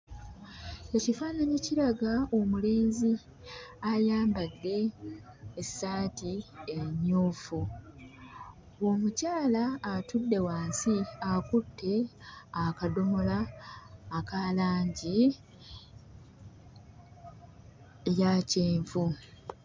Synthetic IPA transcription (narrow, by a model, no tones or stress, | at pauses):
ecifaːnaɲeciɾaɡaomule̞ːnzi | ajaːmbadːe̞ː | saːtieɲːoːfu | wo̞mucaːlaːtudːe̞waːnsiakutʰːe̞akado̞mo̞laː | kalaːɲɟi | jaceːɱvu